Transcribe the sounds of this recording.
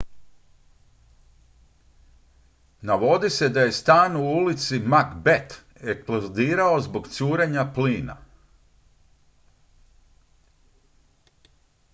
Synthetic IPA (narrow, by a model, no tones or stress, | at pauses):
naʋo̞d̪ise̞d̪aje̞st̪aːnuulit̪simakbet̪ | eksplod̪iːɾao̞zbo̞ɡt̪suːɾeɲapliːna̰